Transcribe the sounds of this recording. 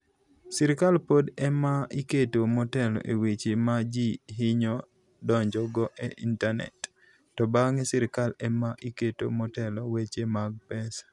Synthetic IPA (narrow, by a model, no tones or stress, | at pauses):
sɪɾɪkalpodɛmaiketomɔtɛlɔ̰ʔewet͡ʃemad͡ʒiɦɪɲɔ | dɔɲd͡ʒɔɡɔʔeʔintanɛ̰tː | ɔbaŋesɪɾɪkalɛmaʔiketo̰mɔtɛlɔwet͡ʃemaɡ̚pɛs